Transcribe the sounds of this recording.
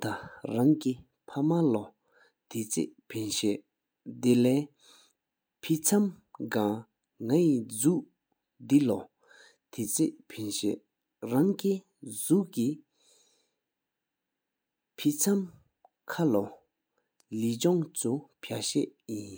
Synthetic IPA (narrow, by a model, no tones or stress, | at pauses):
t̪araŋki | pʰamalɔ | t̪ʰet͡sʰḛʔpʰenɕɛʔ | d̪elɛː | pʰit͡sʰamɡa | ŋajid͡zuʔ | d̪ilɔ | t̪ʰet͡sʰḛʔpʰenɕɛ̰ʔ | ɹaŋki | zuʔki | pʰit͡sʰam | kʰalɔ | lit͡ɕɔŋt͡sʰupʰaɕɛ̰ʔjin